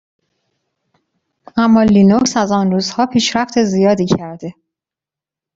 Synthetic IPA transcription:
æmːɒːlinoksæzɒːnɾuːzhɒːpʰiːʃɾæft̪ʰe̞zijɒːd̪iːcʰæɾd̪e̞

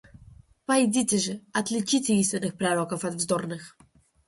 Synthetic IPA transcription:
paid̪ʲit̪ʲɛʒɛɐt̪lʲit͡ʃit̪ʲɛinst̪ʲɛnɨxpɾaɾɔkofat̪vzd̪ɔɾnɨx

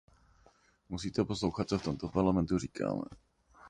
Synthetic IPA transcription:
musiːt̪ɛposlowxat̪̚t͡soft̪omt̪opaɾlamɛnt̪ur̝iːkʰa̰ːmɛ̰

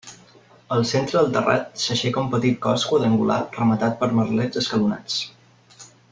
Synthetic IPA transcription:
əlˠsent̪ɾəðəlˠt̪əra̰t̪̚səʃɛkəumpət̪it̪̚kɔskuəðəŋɡula̰rəmət̪at̪̚pəɾməɾlɛd͡zəskəluna̰t͡s

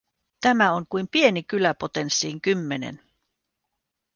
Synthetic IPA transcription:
t̪æmæo̞ŋkujmpie̞nikylæpot̪e̞nsːiːŋkymːe̞ne̞̰n

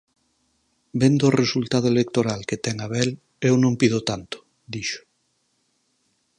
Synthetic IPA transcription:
bend̪oːresult̪aðoelek̚t̪oɾalket̪ɛŋaβɛl | ewnõmpiðot̪ant̪o̥ | d̪iʃo̥

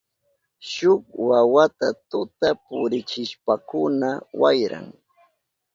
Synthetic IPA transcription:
ʃʊk̚wawat̪at̪ʊt̪apʊɾɪt͡ʃɪʃpakʊnawajɾa̰ŋ

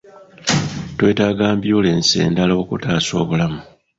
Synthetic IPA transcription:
twe̞ːtaːɡaːmbjoːleːnsḛːndaloβukutaːso̞ːβulamu

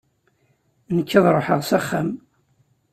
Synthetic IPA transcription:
nəkːəðˤɾˤoħəʁsæχːæm

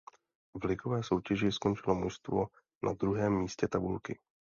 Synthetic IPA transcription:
vlɪkovɛːso̞wcɛʒɪsko̞nt͡ʃɪlo̞muʃst̪vo̞ | nʔa̰d̪ɾuɦɛːmːiːscɛt̪abulkɪ

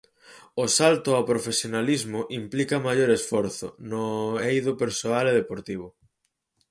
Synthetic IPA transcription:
osalt̪ʊawpɾofesjonalizmʊʔimplikɐmajoɾesfɔɾθʊ̰nʊejðʊpeɾsoaleðepoɾt̪iβ̞ʊ

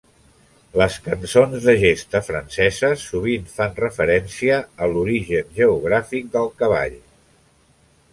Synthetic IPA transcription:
ləskənsonzðəʒest̪əfɾə̰nsɛzəsːuβ̞infanrəfəɾɛnsiəːluɾiʒənʒəuɣ̞ɾafik̚d̪əlˠkəβa̰ʎ

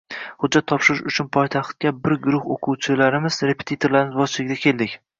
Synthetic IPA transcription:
hʊd͡ʒːat̪ʰːɒpʃɪɾʊʃʊt͡ʃʰʊnpʰɒjt̪ʰaχt̪̚kʲabɪɾɡʊɾʊχoqʰʊwt͡ʃʰɪlaɾɪmɪzɾe̞pʰet̪ʰit̪ʰoɾlaɾɪnɪzbɒzt͡ʃʰɪlɪɡʲd̪ʲakʲʰe̞lˠd̪ɪkʲ

